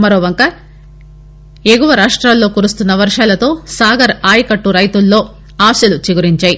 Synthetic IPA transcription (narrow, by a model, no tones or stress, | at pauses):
mɐɾoːʋɐŋkɐ | eɡuʋɐɾaːʂʈɾaːlːo̞ːkuːɾust̪unːɐʋɐɾʂaːlɐt̪o̞ːsaːɡɐɾaːjikɐʈːuɾɐjt̪ulːo̞ː | aːsɐlut͡ʃiɡuɾiɲt͡ʃaːji